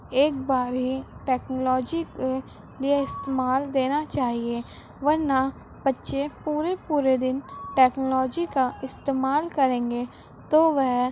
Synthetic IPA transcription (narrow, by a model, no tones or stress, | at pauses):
eːk̚baːɾɦiʈɛːknolɔːd͡ʒike | lieɪst̪eːmaːld̪eːnat͡ʃaːɦie | ʋɐɾna | b̥ətːʃepuːɾepuːɾed̪ɪnʈɛːknolɔːd͡ʒikaɪst̪eːmaːlkɐɾẽːŋɡe | t̪oːʋɛɦ